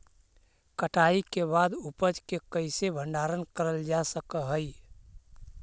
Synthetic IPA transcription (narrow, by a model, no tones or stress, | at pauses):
kəʈʰaikebad̪upəd͡ʒkekəɪsebʱəɳɖaɾənkəɾəld͡ʒasəkəɦəj